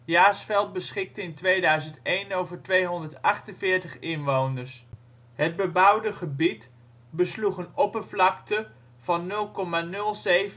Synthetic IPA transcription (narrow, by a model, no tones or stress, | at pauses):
jaːsfɛlˠd̚bəsχɪk̚təɪntʋejdœɥzəntejnowvəɹtʋejɦɔndəɹtɑχtənvɪːɹtəχɪnʋownəɹs | ɦəd̚bəbʌwdəχəbit | bəsluχənɔpəvlɑktə | v̥ɑnːɵlˠkɔmanɵlˠzejv